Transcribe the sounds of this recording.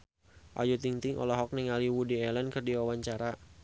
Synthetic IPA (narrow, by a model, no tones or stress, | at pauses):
ʔa̰d͡ʒut̪iŋt̪ɪŋʔɔ̰lɔɦɔk̚niŋaliwudiɛlankɨrdiwawaɲt͡ʃaɾa